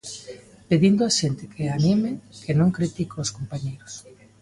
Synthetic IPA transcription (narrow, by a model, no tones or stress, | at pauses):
peðind̪oaʃent̪ɪkʰeanimɪkʰenõŋkɾit̪ikooskompaɲejɾʊs